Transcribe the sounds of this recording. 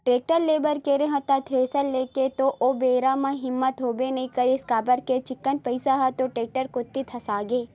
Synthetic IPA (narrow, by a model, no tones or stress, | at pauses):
ʈɾeːk̚ʈəɾleːbəɾkeɾeɦɐ̃t̪at̪ʰɾeːsəlleːket̪oʔʔobeːɾamãɦɪmːət̪ɦoːbenɐĩkɐɾiskaːbəɾket͡ʃɪkːənpəɪsaɦɐt̪oʈɾeːk̚ʈəɾkʊt̪ːit̪ʰɐsaːɡeː